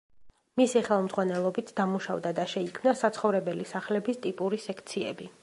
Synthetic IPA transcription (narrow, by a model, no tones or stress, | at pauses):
misiχɛlˠmzʁwanɛlˠɔbit̪ʰd̪amuʃa̰vd̪ad̪aʃɛikʰmnasat̪sʰχɔvɾɛbɛlisaχlɛbist̪ʼipʼuɾisɛkʰt̪sʰiɛbi